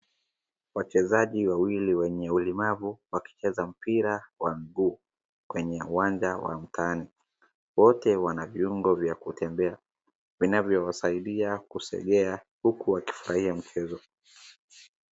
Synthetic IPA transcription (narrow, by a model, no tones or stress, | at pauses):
wat͡ʃɛzaʄiwawiliwɛɲɛulimavuwaki̥t͡ʃɛzam̩piɾawamiɡuː | kwɛɲɛuwand͡ʒawa̰m̩tʰani | wɔtɛwanaviuŋɡɔvjakutʰɛmbɛa | vinavjɔwasaiɗiakusɛ̰ɠɛa | hukuwaki̥fuɾahiam̩t͡ʃɛzɔ